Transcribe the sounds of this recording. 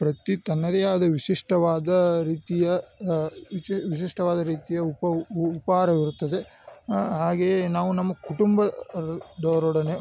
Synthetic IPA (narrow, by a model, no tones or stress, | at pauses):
pɾɐt̪it̪ɐnːɐd̪ejaːd̪ɐʋiʃiʂʈɐʋaːd̪ɐɾiːt̪ijɐ | ʋiʃiʂʈɐʋaːd̪ɐɾiːt̪ijɐupɐupaːɾɐʋiɾut̪ːɐd̪e | ɦaːɡenaːʋunɐmːɐkuʈumbɐ | d̪oːɾɔɽɐne